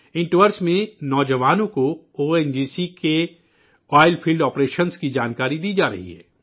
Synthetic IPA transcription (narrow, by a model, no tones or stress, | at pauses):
ɪ̃ɳʈʋəɾsmẽnɔːd͡ʒəʋaːnõko | oːɛnd͡ʒiːsike | ɔːɪlpʰiːlɖɔːpɾeːʃənskid͡ʒaːnkaːɾid̪iːd͡ʒaːɾɐ̰ɦḭɦɛ̰ː